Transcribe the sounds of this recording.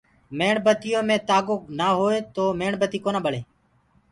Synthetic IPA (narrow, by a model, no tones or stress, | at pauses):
meːɳbət̪ɪjõːmẽːt̪aːɡoːknaːɦoːeːt̪oːmeːɳbət̪iːkoːnãːɓəɽeː